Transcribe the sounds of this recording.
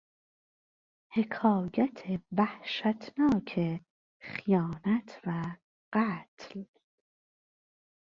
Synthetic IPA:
he̞kʰɒːjæt̪ʰevæhʃæt̪ʰnɒːkʰe | xijɒːnæt̪ʰvæ | ɢ̥æːt̪ʰl

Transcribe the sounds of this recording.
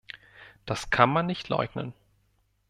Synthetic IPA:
d̥askʰanmanːɪçtʰlɔ̰ʏɡnə̰n

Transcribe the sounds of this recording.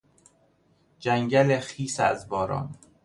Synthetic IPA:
d͡ʒæŋɟælexiːsæ̰zbɒːɾɒ̰ːn

